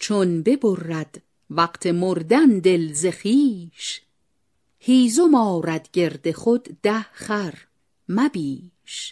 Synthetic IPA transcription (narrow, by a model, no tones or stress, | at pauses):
t͡ʃʰonbe̞borːæd̪̥ | væqt̪ʰemoɾd̪ænd̪e̞lzeχiːʃ | hiːzomɒːɾæd̪ɟe̞ɾd̪e̞χod̪ːæhχæɾ | mæbiː | ʃ